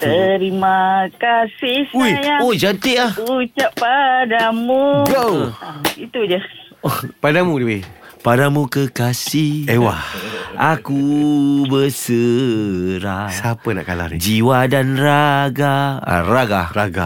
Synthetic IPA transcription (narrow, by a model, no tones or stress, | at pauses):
t̪əɾimakasɪujaod͡ʒant̪iʔahut͡ʃaʔpadamuɡo | it̪ud͡ʒə | opadamuɾiwi | padamũkəkasiewaakubəsə | ɾasapəna̰ʔkala̰hnd͡ʒiwadanraɡaa̰raɡaraɡa̰